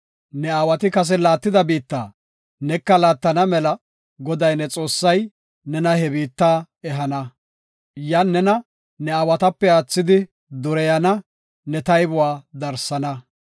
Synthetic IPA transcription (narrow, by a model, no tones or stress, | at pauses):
nɛawɐt̪ɪkɐs̬ɛlaːt̪ːɪd̪ɐbiːt̪ːa̰ː | nɛkːɐlaːt̪ːɐnɐmɛlɐ | ɡɔd̪ɐjnɛt͡sʼo̞ːsːɐj | nɛnɐhɛbiːt̪ːaː | ɛɦɐnɐ | janːɛnɐ | nɛawɐt̪ɐpːɛaːt͡sːɪd̪ɪ | d̪ʊɾɛjɐnɐ | nɛt̪ɐjbʊwaːd̪ɐɾsːɐnɐ